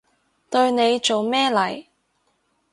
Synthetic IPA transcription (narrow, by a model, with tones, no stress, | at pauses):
t̪ɵ˧ɥne˨˧jt͡so˨wmɛː˥lɐ˨˩j